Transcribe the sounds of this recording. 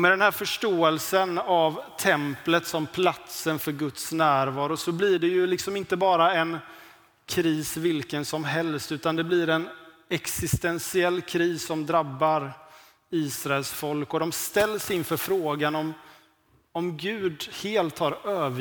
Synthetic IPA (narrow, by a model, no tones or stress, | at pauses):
mɛd̪ɛnɦæːɾfœʂʈoːɛlsənavt̪ʰɛmplət̪sɔmpʰlat̪sənfœɾɡɵt̪snæːɾvɑːɾʊsɔblɪɖɛjɵlɪksɔmɪnt̪əbɑːɾaɛn | kʲʰɾiːsvɪlkənsɔmɦɛlst̪ʉ̟ːt̪and̪ɛblɪɾɛn | ɛksɪst̪ɛnsɪɛlːkʰɾiːsːɔmd̪ɾabːaɾ | iːsɾaɛlsfɔlkɔd̪ɔmst̪ɛlːsɪnfœɾfɾoːɡanɔm | ɔmɡʉ̟ːd̪heːlt̪haɾøːv